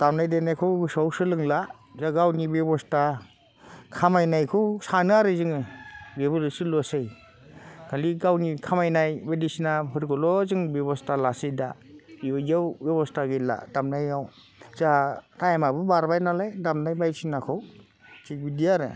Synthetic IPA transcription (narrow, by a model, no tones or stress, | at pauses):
d̥amnajdanajkʰɯwɡɯsawsɯlɯŋla | zaɡawnibebɔsta | kʰamajnajkʰɯwsanɯaɾɯzɯŋɯɾebɔlɯsilɔsej | kʰaliɡawnikʰamajnajbadisinapɯɾɡɔlɔzɯŋbebɔstalasijdaiɔjawbebɔstaɡela̰damnajaw | zatajamabɯbaɾbajnalajdamnajbajsinakʰɔw | t͡ʃik̚bidiaɾɯ̰